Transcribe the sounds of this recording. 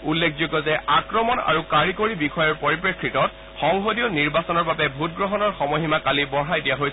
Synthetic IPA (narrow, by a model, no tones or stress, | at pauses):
ulːekʰzoɡɔzɛakɹɔmɔna̰ɹukaɹikoɹibixʰɔjɔɹpoɹipɹekʰɹitɔt̚ | xɔŋɦodijɔniɹbasɔnɔɹbabɛbʱut̚ɡɹɔɦɔnɔɹxɔmoɦimakalibɔɹajdijaɦojs